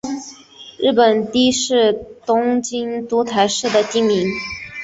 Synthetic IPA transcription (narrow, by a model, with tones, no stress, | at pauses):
ɻɻ̩˥˩pə˨˩nt̪i˥ʂɻ̩˥˩t̪ʊ˥ŋt͡ɕi˥nt̪u˧˥t̪ʰa˧˥ɪʂɻ̩˥˩d̪ə˩t̪i˥˩ŋmi˧˥ŋ